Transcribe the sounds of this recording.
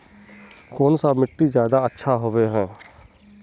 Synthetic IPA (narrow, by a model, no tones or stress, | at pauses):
koːnsamɪʈːizjaːd̪aətːʃʰaɦoʋeɦɛ̃ː